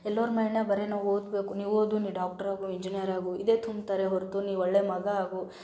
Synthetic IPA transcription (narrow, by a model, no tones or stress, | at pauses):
ɛlːɐɾmɐjnɐbɐɾenaʋoːd̪be̞ːkuniːʋoːd̪uniːɖaːk̚ʈɐɾaːɡuiɲd͡ʒinijɐɾaːɡuid̪eːt̪ʰumbt̪ɐɾeɦoɾt̪uniːɔɭːemɐɡɐaːɡu